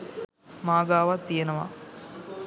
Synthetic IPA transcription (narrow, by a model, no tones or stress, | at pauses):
maːɡaːʋat̪ːijenɐʋa̰